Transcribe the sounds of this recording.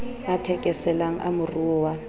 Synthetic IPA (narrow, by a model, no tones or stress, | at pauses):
atʰɛkʼɛsɛlaŋ̩ʔa̰mʊruwa